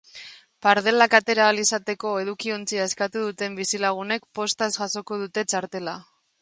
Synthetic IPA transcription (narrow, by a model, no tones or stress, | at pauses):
paɾðe̞lakat̪e̞ɾaːlisat̪e̞ko̞e̞ð̞ukio̞nt͡siaeskat̪uð̞ut̪e̞mbisilaɣ̞une̞kpo̞st̪azɣaso̞ko̞ð̞ut̪e̞t͡ʃaɾt̪e̞la